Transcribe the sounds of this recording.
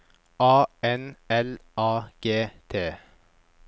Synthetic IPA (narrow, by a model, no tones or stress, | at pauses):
ʔɑːɛnɛlʔɑːɡ̥eːt̪ʰeː